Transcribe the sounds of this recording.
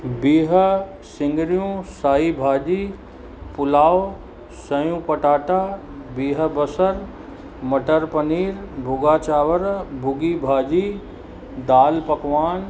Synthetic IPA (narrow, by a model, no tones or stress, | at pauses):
biːɦə̆ | sɪ̃ŋɡɾijũːsaːibʱaːd͡ʑiː | pʊlaːo | sɐjũːpɐʈaːʈaː | biːɦə̆bəsəɾ | mɐʈəɾpɐniːɾbʱʊɡaːt͡ʃaːʋəɾbʱʊɡibʱaːd͡ʑiː | d̪aːlpɐkʋaːn